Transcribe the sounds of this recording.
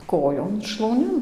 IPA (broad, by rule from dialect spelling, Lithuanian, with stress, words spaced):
ˈkoːjoːn ʃlˠɐʊˈnʲɪn